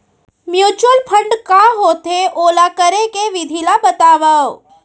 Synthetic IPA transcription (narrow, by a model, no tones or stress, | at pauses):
mjuːt͡ʃəlpʰə̃ɳɖkãɦoːt̪eʔoːlakəɾekeʋɪd̪ʱilabət̪aːʋə